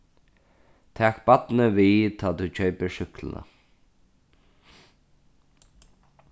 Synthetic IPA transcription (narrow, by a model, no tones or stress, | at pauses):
t̪ʰɛːkbat̪nəʋiːt̪ʰaːt̪ut͡ɕʰœɥpəɹʃʏklə̰na̰